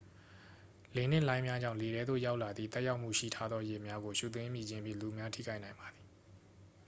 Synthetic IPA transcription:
le˨n̥ɪ̰̃˦˨lã˦ɪ̃mja˦ɲd͡ʑã˦˨le˨ɾɛ˦d̪o̰˦˨ja˦ʊʔla˨d̪ðḭ˦˨t̪ɛ˦ʔja˦ʊʔm̥ṵ˦˨ʃḭ˦˨tʰa˦d̪ðɔ˦je˨mja˦ɡo˨ʃṵ˦˨t̪̬wɪ̃˦mji˦˨d͡ʑɪ̃˦mpjḭ̃˦˨lu˨mja˦tʰḭ˦˨ka˦ɪʔnã˨ɪ̃mba˨d̪ði˨

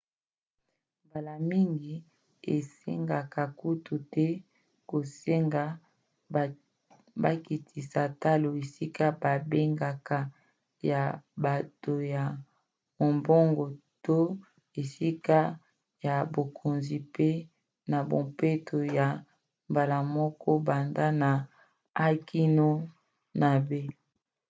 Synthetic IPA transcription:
mba˨la˨mi˦ŋɡi˨ | ḛ˨sḛ˦ŋɡa˨ka˨ku˦tu˨tɛ˦ | ko˨se˦ŋɡa˨ | ba˦ki˨tʰi˨sa˨ta˦lo˨e˨si˦ka˦ba˨be˦ŋɡa˨ka˨ | ja˨ba˨to˨ja˨ | mo˨mbɔ˦ŋɡɔ˨to˦ | e˨si˦ka˦ | ja˨bo˨kʰo˨nzi˨pe˦ | na˨bo˨mpe˦tʰo˨ja˨ | mba˨la˨mɔ˦kɔ˦ba˨nda˦na˨ | a˦kʰi˦no˦ | na˨be˦

